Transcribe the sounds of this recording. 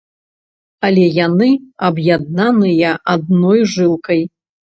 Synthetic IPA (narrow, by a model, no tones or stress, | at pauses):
alʲɛjanɨɐbjad̪̚nanɨjɐʔad̪̚nɔjʐɨlˠkɐj